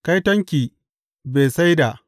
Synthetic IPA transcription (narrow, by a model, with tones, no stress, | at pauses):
ka˦jtɐ˦ŋkʲiː˨ | beː˨sa˦jda˨ʔ